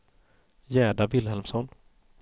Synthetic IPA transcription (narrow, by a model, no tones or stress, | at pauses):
jɛːɖavɪlhɛlmsɔn